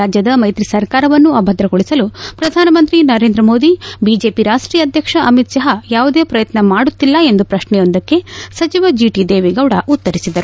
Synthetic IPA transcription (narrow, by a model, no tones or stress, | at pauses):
aːd͡ʒjɐd̪ɐmɐjt̪ɾisɐɾkaːɾɐʋɐnːuɐbʱɐd̪ɾɐɡoɭisɐlupɾɐd̪ʱaːnɐmɐnt̪ɾinɐɾe̞ːnd̪ɾɐmo̞ːd̪ibid͡ʒe̞ːpiɾaːʂʈɾiːjɐd̪ʱjɐkʂɐʔɐmit̪sɐɦɐjaːʋud̪eːpɾɐjɐt̪nɐmaːɽut̪ːilːɐe̞nd̪upɾɐʃɳɛjond̪ɐkːe̞sɐt͡ʃiʋɐd͡ʒiːʈid̪eːʋiɡɐwɽɐʔut̪ːɐɾisid̪ɐɾu